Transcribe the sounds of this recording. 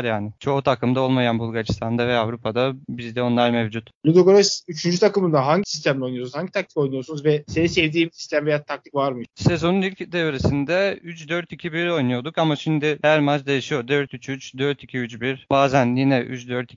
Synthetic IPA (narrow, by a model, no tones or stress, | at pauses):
ɾjaːnɪt͡ʃʰo̞ːt̪ʰakɯmd̪ao̞lˠmajanbulˠɡaɾist̪ʰand̪avɛavɾupʰad̪abizd̪ɛo̞nlˠaɾmevd͡ʒut̪lʲud̪oɡoɾasyt͡ʃʰynd͡ʒyt̪ʰakɯmɯnd̪aɦaɲɟisi̥s̬t̪ʰæmlʲo̞jnujsaɲɟit̪ʰak̚t̪i̥ko̞jnujoɾsunuzvɛsenisɛvd̪iːmsi̥st̪ʰæmvejat̪ʰak̚t̪ʰi̥kvaɾmɯsezo̞nunilʲcd̪evɾesind̪ɛyt͡ʃd̪øɾt̪icʰibiɾo̞jnujo̞d̪ukamaʃimd̪ɪhæɾmat͡ʃd̪ejiʃijo̞d̪øɾt̪yt͡ʃʰyt͡ʃd̪øɾt̪ʰicʰiyt͡ʃbiɾbaːzænjinɛʔy̰t͡ʃd̪øɾt̪i